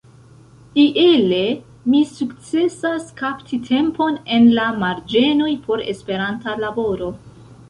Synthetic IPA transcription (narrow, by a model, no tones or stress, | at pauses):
iʔele̞ | misukt͡se̞saskaptʰitʰe̞mpo̞ne̞nlamaɾd͡ʒe̞no̞jpʰo̞ɾe̞̰spe̞ɾantalabo̞ɾo̞